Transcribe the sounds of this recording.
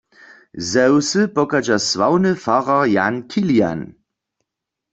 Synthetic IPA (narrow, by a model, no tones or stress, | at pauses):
zɛwsɨpɔkad͡ʒaswawnɨfaʁaja̰nkʰilja̰n